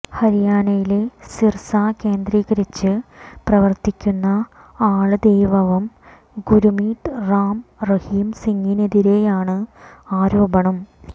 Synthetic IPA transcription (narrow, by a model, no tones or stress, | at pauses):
hɐɾijaːnɐjile̞sirsaːke̞ːnd̪ɾiːɣɐɾit͡ɕːɨprɐʋɐrt̪ikʲːunːɐ | aːɭɨd̪e̞jʋɐʋum | ɡuɾumiːt̪ɨraːmrɐhiːmsiŋːineðiɾe̞jaːɳɨaːɾo̞ːbɐɳɐm